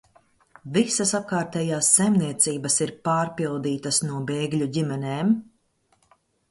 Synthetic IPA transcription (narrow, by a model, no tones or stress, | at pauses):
visɐsap̚kaːɾt̪ɛːjaːsːajmniɛt̪siːbɐsiɾpaːɾpilˠd̪iːt̪ɐsnuɔbeːɡlʲuɟimɛneːm